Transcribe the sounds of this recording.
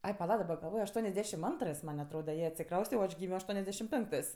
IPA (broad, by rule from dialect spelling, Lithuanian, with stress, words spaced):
ˈɐɪ pɐˈlˠɐ dɐˈbɐ ɡɐlˠˈʋoːj ɐʃˈtuɔnʲɛzʲˌdʲæːʃʲɪm ˈɐntrɜs mɐnʲ ɐtˈroːdɐ ˈjiɛ ɐtʲsʲɪˈkrɐʊsʲtʲɛ oː ˈɐʃ ˈɡʲiːmʲoː ɐʃtuɔnʲɛzʲˈdʲæːʃʲɪm ˈpʲɛŋktɜs